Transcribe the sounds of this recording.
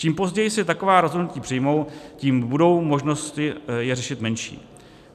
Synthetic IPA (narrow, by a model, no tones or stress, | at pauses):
t͡ʃiːmpo̞zɟɛjɪsɪt̪akovaːɾo̞zɦodnuciːpr̥ɪjmo̞wciːmbudo̞wmo̞ʒno̞st̪ɪjɛrɛʃɪt̪mɛnʃḭː